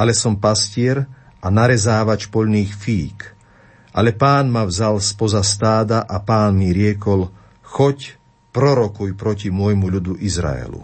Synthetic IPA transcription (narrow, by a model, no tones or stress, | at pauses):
ʔalɛsɔmpascɪɛɾ | ʔanaɾɛzaːʋat͡ʃpɔʎniːxfiːk | ʔalɛpaːnmavzalspɔzast̪aːd̪aʔapaːnmiɾɪɛkɔl | xɔc | pɾɔɾɔkujpɾɔcimʊɔjmuʎud̪uʔizɾa̰ɛ̰lṵ